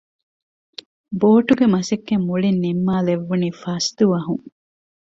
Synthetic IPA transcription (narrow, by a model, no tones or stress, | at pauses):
boːʈuɡemɐsekːemːuɭinːimːaːleʋːuniːfɐsd̪uʋɐɦuŋ